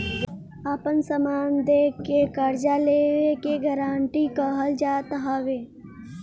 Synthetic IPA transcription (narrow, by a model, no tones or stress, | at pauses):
aːpənsəmaːnd̪ekekəɾd͡ʒaleːʋekeɡəɾãːɳʈikəɦəld͡ʒaːt̪ɦaːʋeː